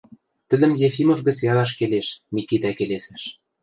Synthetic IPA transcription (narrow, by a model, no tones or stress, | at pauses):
t̪ə̆d̪ə̆mjefimŏfɡə̆t͡sjɑɣɑʃkeleʃmʲikit̪ækelesæʃ